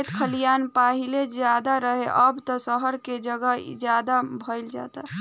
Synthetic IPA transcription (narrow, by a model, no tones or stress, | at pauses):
t̪kʰəlijanpaɦiled͡ʒjad̪aɾəɦeʔəbt̪ɔsəɦəɾked͡ʒəɡəd͡ʒjad̪abʱəɪld͡ʒa̰t̪a